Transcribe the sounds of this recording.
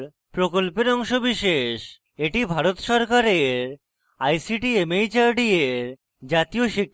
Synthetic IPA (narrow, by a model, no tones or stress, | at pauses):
ɾ | pɾokolpeɾɔŋʃobiʃeʃ | eʈibʱaɾot̪ʃɔɾkaɾeɾ | ajsiʈiemejt͡ɕaɾɖieɾ | d͡ʑat̪ioʃikʰ